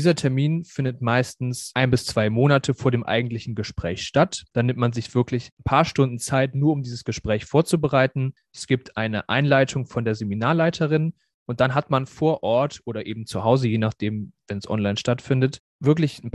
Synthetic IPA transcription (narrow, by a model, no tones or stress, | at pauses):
iːzɐtʰɛɐmiːnfɪndətmaɪstn̩sʔaɪnbɪst͡sv̥aɪmoːnatʰəfoːɐɾeːmʔa̰ɪɡŋ̩tlɪçn̩ɡəʃpʁ̥ɛ̰ːçʃtatd̥aːnɪmtmanzɪçv̥ɪɐklɪçnpʰaːɐʃtʊndn̩t͡saɪtnuːɐʊmdiːzəsɡ̥əʃpʁ̥ɛːçfoːɐt͡subəʁaɪtn̩ʔɛsɡ̥iːp̚tʰʔaɪnəʔa̰ɪnlaɪtʰʊŋfɔndeːɐzeminaːɐlaɪtʰəʁ̞ɪn | ʔʊnt̚d̥anɦatmanfoːɐʔɔɐtʔoːɾɐʔeːbm̩t͡suhaʊzəjeːnaχd̥eːmvɛnsʔɔ̰nlaɪnʃtatfɪndət | vɪɐklɪçn̩